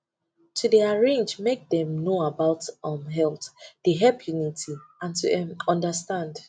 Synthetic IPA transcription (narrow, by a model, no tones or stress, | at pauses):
tʰudiaɹẽnd͡ʒmek̚dɛ̃mnoabaʊtɔ̃mɦɛlˠtdeɦɛlpʰjunitʰiãntuɛ̃mɔ̃ndəstãnd